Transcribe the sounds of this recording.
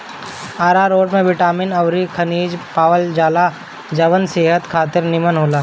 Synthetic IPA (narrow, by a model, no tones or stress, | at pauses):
aːɾaɾoːɖmẽʋɪʈaːmɪnɐʋɾikʰɐniːd͡ʒpaːʋəld͡ʒaːla | d͡ʒɐʋənseːɦət̪kʰaːt̪ɪɾnɪmənɦoːlaː